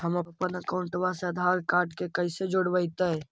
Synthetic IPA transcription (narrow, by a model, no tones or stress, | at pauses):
ɦəməpənəkaʊɳʈʋaseəd̪ʱaɡkaːʈkekəɪsed͡ʒoɽbəɪt̪ə